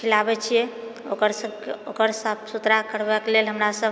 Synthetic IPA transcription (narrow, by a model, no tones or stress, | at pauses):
kʰilabɛt͡ʃʰijɛokəɾsəbkeokəɾsəbsut̪ɾakəɾbɛklelɦəmɾasəb